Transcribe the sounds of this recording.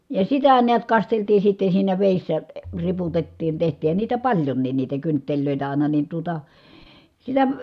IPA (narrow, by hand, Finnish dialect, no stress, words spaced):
jɑ sitæ niæt kɑsteltiː sitːe siːnæ ʋeˑisːæ ə riputetːiːn tehtˑiːhˑæn niːtæ pɑlʲjonːiːn niːtæ kyntːelʲløˑitæ ɑˑi̯nɑ nin tuotɑ silːæ